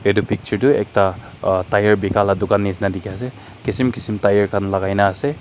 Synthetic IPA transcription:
edupʰik̚t͡ʃuɾduek̚ta | tajɐɾbikʰaladukanːisnadikias̬e | kisimkisimtajɐɾkʰanlaɡajnaːse

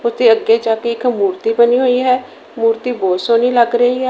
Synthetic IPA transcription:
ʊt̪ʰeːəɡːeːd͡ʒaːkeɪkmuːɾt̪iːbəniːɦoːiːɦɛː | muːɾt̪iːboːsoːniːləɡɾəɦiːɦɛ

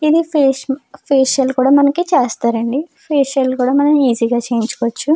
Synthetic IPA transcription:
id̪ipeːpʰeːʃɐlkuːɽaːmɐnɐkit͡ʃeːst̪aːɾɐɳɖipʰeːʂɐlkuːɽaːmɐnɐmiːziːɡaːt͡ʃe̞ːjiɲt͡ʃu̥koʋɐt͡ʃːu

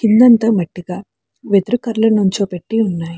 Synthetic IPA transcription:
kind̪ɐnt̪ɐːmɐʈːiɡaː | ʋed̪ɾukɐɾlɐnuɲt͡ʃoːpeʈːiunːaːji

